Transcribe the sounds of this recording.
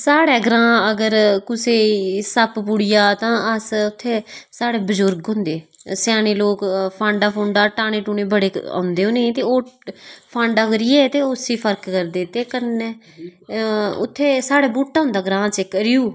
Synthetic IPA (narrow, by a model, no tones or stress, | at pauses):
saːɽɛːɡɾãːəɡəɾkʊseːsəppʊɽɪjaːt̪ãːəsʊt̪ʰːeːsaːɽeːbəd͡ʒʊɾɡɦʊ̃ːnd̪eːsɪjaːneːloːkpʰãːɳɖaːpʰõːɳɖaːʈaːñeːʈuːneːbəɽeːã̰ːʊnd̪eːõːnẽt̪eːoːpʰãːɳɖaːkəɾɪjeːt̪eːʊsiːpʰəɾkːəɾd̪eːt̪eːkənːɛː | ʊ̰t̪ʰːeːsaːɽɛːbuːʈːaːʊ̃nd̪aːɡɾãːt͡ʃekəɾɪjuː